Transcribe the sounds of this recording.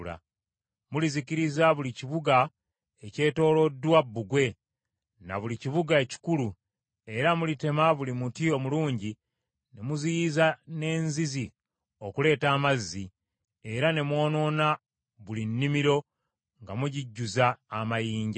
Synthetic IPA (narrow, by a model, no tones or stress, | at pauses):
la̰ | muliziciɾizaβuliciβuɡa | e̞ce̞ːto̞ːlo̞dwabːuɡwe̞ | na̰βuliciβuɡaeci̥kulu | e̞ɾamulite̞maβulimutio̞muluːɲɟi | ne̞muzijizane̞ːnzizi | o̞kule̞ːtaːmazːi | e̞ɾane̞mwo̞ːno̞na | βulinːimiɾo̞ | ŋɡamuɟiɟːuzaːmajiːɲɟa